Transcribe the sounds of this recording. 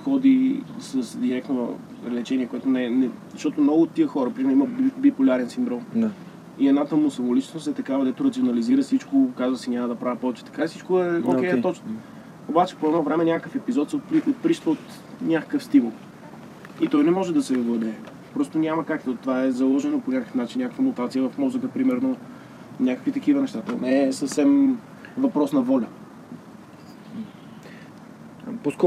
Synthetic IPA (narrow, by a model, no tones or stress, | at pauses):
xɔd̪isəsd̪iɾɛk̚t̪no̰lɛt͡ʃɛniɛkoɛt̪onɛnɛzɐʃt̪ɔt̪omnɔɡʊːt̪ːiəxɔɾəpɾimɛɾiməbbipolʲaɾɛnsind̪ɾɔma | iɛd̪nat̪əmʊsɐvʊlit͡ʃɛ̥nʊst̪ɛt̪ɐkavəd̪ɛt̪ʊɾɐt̪sionɐliziɾəsit͡ʃkokazvəsinʲamɐd̪ɐpɾavipɔvɛt͡ʃɛ̥t̪ɐ̥kasit͡ʃkoɛo̰kɛjt̪ɔt͡ʃ̪ | obat͡ʃɛ̥poɛdnɔvɾɛmɛnʲakəkəfɛpizɔt̪sɛtpiot̪̚pɾiʃt̪vəot̪ | nʲakə̥kəfst̪imulˠ | it̪ɔjnɛmɔʒɛd̪ɐsɛvəd̪ɛ | pɾɔst̪onʲamɐkakt̪ot̪ovaɛzɐlˠɔʒɛnoponʲakəkə̥fnat͡ʃinːʲakəkvɐmut̪at̪sijəvɐfmɔzəkəpɾimɛɾno | nʲakə̥kvit̪ɐkivənɛʃt̪at̪onɛsəfsɛm | vɐpɾɔsnɐvɔlʲə | poskɔ